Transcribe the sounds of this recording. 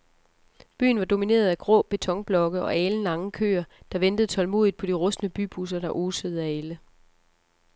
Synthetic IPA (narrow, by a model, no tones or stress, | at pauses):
b̥y̰ːn̩ʋɑ̈do̝mine̝̰ːɐð̞ˠæɡ̥ʁɔ̰b̥e̝t͡sʰɒ̽ŋb̥lɒ̽ɡ̥əɒ̽ʔɛːln̩lɑ̈ŋəkʰø̰ːɐd̥ɑ̈ʋend̥əð̩ˠt͡sʰɒ̽lmo̝ːðˠid̥̚pʰɒ̽d̥iʁɔ̽snəb̥y̰ːb̥ʰus̬ɐɾ̥ɑ̈ʔoːsəð̞̩ˠæelə